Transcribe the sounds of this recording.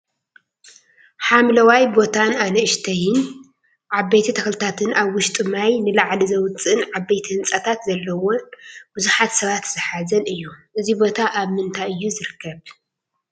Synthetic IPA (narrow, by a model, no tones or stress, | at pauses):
ħamlɐwajbo̞t̪ʰananɐɨʃt̪ʰɐjɪn | ʕaβːejt̪ʰit̪ʰɐxlɨt̪ʰat̪ʰɨnaβwʊʃt̪ʼɨmajnɨlaʕlizɐwt͡sʼɨɨnʕaβːejt̪ʰihɨnt͡sʼɐt̪ʰat̪zɐlːɐwonb̥ɨzuħat̪sɐβat̪z̥ɨħazɐnɨjːuʔɨzibo̞t̪ʰaʔaβmɨnt̪ʰajɨjːuzɨɾɨkʰːɐβ